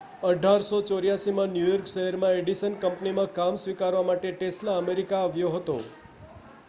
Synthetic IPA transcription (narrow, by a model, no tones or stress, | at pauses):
əɖʱaɾsot͡ʃoɾjasimãnjujɔɾkʃəɦəɾmãeɖisənkəmpnimãkamsʋikaɾʋamaʈeʈesʈlaəmeɾikaːʋjoɦət̪o̰